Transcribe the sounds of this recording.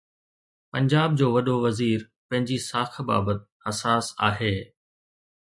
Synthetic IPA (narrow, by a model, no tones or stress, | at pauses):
pɐ̃ɲd͡ʑaːb̚d͡ʑoːʋɐɗoʋɐziːɾ | pɐ̃ɦɪ̃ɲd͡ʑisaːkʰba̰ːbət̪̚ | ɐsaːsa̰ːɦeː